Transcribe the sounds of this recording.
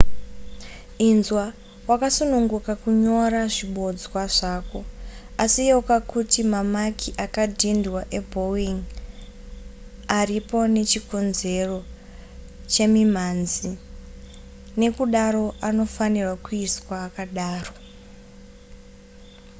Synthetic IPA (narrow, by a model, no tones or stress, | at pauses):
inzwa | wakasunuŋɡukakuɲo̞ɾaʐiɓo̞d͡zwaʐaːko̞asijekakutimamakʰiʔakadʱindwaʔe̞bʱo̞wiŋ | aripo̞ne̞t͡ʃiko̞nze̞ro̞ | t͡ʃe̞mim̤anzi | ne̞kuɗaro̞ʔano̞fanirwakuiswaːkaɗaːro̞